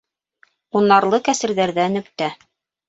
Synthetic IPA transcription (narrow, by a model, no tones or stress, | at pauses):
unːɑɾlˠɤkæsɘ̆ɾðæɾðænɵ̆kt̪æ